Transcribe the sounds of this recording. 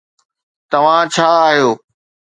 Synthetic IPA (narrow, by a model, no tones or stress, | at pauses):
t̪ɐʋ̤ãt͡ɕʰaːɦijoː